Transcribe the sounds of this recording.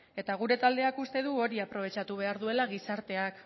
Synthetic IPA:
e̞t̪aɣ̞uɾe̞t̪ald̪e̞akust̪e̞ðuo̞ɾiapɾo̞β̞e̞t͡ʃat̪uβ̞e̞aɾðue̞laɣisaɾt̪e̞ak

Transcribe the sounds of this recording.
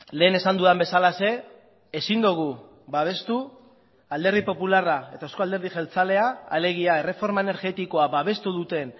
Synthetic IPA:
le̞ːne̞sand̪uðambe̞salase̞ː | sind̪uɣ̞u | βaβ̞e̞st̪u | ald̪eɾð̞ipo̞pularae̞t̪aosko̞ald̪e̞ɾð̞iʝelt͡sale̞aːle̞ɣ̞iae̞re̞fo̞ɾmae̞ne̞ɾɣe̞t̪iko̞aβaβ̞e̞st̪uðut̪e̞n

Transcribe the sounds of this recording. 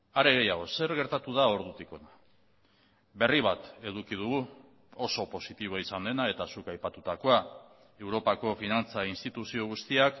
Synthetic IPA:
aɾe̞ɣ̞ejaɣ̞o̞se̞ɾɣe̞ɾt̪at̪uðao̞ɾðut̪iko̞na | be̞riβ̞at̪e̞ðukið̞uɣu | oso̞po̞sit̪iβ̞o̞aisand̪e̞nae̞t̪asukajpat̪ut̪ako̞a | e̞wɾo̞pako̞finant͡sainst̪it̪usio̞ɣ̞ust̪iak

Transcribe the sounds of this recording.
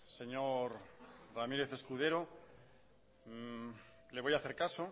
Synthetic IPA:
se̞ɲoɾramiɾe̞θe̞skuð̞e̞ɾo | leβo̞jaθe̞ɾkaso

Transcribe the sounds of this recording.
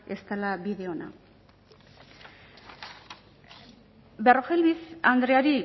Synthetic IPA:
est̪alabiðe̞ona̰ | beroxelβisand̪ɾeaɾi

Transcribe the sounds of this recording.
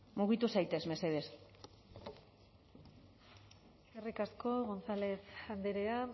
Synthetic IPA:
muɣit̪usajt̪e̞zme̞se̞ð̞e̞s | erikaskoɣo̞nsale̞sand̪eɾea

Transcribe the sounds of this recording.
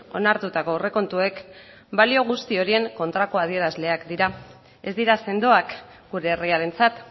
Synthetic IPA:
o̞̰naɾt̪ut̪ako̞re̞ko̞nt̪ue̞k | balio̞ɣ̞ust̪io̞ɾie̞ŋko̞nt̪ɾako̞aðie̞ɾazle̞akd̪iɾa | e̞zd̪iɾase̞nd̪o̞ak | ɡ̥uɾe̞ːriaɾe̞nt͡sat̪

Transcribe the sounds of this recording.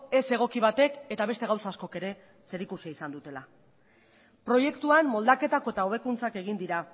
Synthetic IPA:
e̞se̞ɣ̞o̞kiβ̞at̪e̞ke̞t̪aβ̞e̞st̪e̞awsasko̞ke̞ɾe̞ | se̞ɾikusiaisand̪ut̪e̞la | pɾo̞je̞kt̪uanmo̞ld̪ake̞t̪ako̞et̪aoβ̞e̞kunt͡sake̞ɣ̞ind̪iɾa

